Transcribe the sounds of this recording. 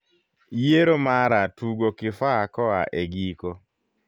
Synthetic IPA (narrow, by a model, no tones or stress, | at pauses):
jeɾomaɾatuɡokɪfaakɔaʔeɡiko